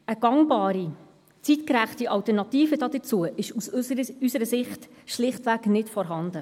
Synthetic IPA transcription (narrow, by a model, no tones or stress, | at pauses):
əɡ̥ɑŋbɑːɾi | t͡sitkɾæχtiʔɑlwtəɾnɑt̪iːfədɑːd̪ət͡suəʔɪʃusysəɾəsɪχtʃlɪχtʋæɡnɪtfɔɾɦɑnd̪ə